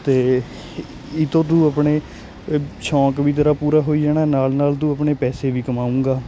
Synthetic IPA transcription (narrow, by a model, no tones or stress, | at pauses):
t̪eː | ɪt̪õːt̪ũːəpɳeː | ʃɔ̃ːkʋiːt̪əɾaːpuːɾaːɦoːiːd͡ʒaːɽaːnaːlnaːlt̪ũːəpɳeːpɛːseːʋiːkəmaːũːŋɡaː